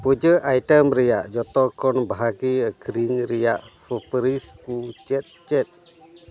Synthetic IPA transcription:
pud͡ʒəʔajtəmɾijaʔd͡ʒɔt̪ɔkɔnbaɦaɡiəkɾiŋɾijaʔ | fəpəɾis | ut͡ʃɛt̪̚t͡ʃɛt̪̚

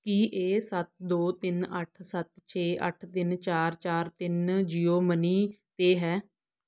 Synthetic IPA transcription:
kiːʔeːsət̪̚d̪oːt̪ɪnəʈʰsət̪̚t͡ʃʰeːʔə̰ʈʰt̪ɪnt͡ʃaːɾt͡ʃaːɾt̪ɪnd͡ʒiːoːməniːt̪eːɦɛː

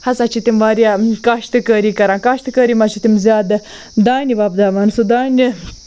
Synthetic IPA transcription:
hɐsat͡ʃʰit̪imʋaːɾʲjakaːʃt̪ɨkəɾikɐɾãːkaːʃt̪ɨkəɾimɐt͡ʃʰit̪imzʲjaːd̪ | d̪aːnibaːbd̪aːmɐnsud̪aːnʲi

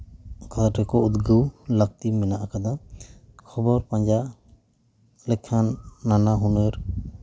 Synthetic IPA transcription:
kat̪aʈɛkɔut̪ɡəwlak̚t̪imɛnaʔakad̪akʰɔbɔɾpaɲd͡ʒa | lɛkʰːanːanaɦunɯɾ

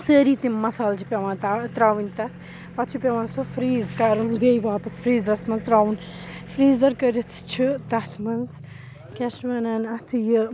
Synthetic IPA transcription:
səːɾit̪immɐsaːlt͡ʃʰipʲɐʋãːt̪at̪ɾaːʋɨnʲt̪ɐt̪ʰ | pɐt͡ʃʰupʲɐʋãːnsofɾiːzkaːɾɐnd̪ejʋaːpɐsfʰɾiːzɾɐsmɐnzt̪ɾaːwn | fɾiːzd̪ɐɾkɐɾɐt̪ʰt͡ʃʰit̪ɐt̪ʰmɐnz | keʃmɐnaːnɐt̪ʰjɨ

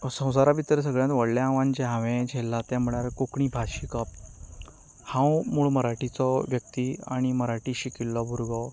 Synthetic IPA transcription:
sə̃w̃saɾabit̪əɾs̬əɡɭjãt̪ʋəɽljaãʋãnd͡ʑɛɦãʋɛ̃d͡ʑʱɛlːat̪ɛ̃m̤əɭaɾkokɳibʱaɕikəp̚ | hãwmuɭməɾaʈit͡sɔʋjək̚t̪ia̰ɽ̃iməɾaʈiɕikilːɔbʱuɾɡɔ

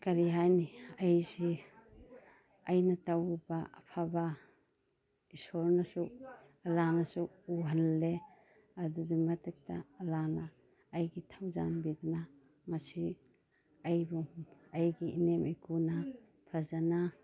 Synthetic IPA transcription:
kɐɾiɦajniajsi | ɐjnɐtawbaɐ̰pʰaba | isɔɾnasu | ɐlanasu | uɦanle | ɐdudimatek̚ta̰ːlanaː | jɡitʰawza̰nbiduna | mɐsi | ɐjbuajɡiinemikuna | pʰɾazana

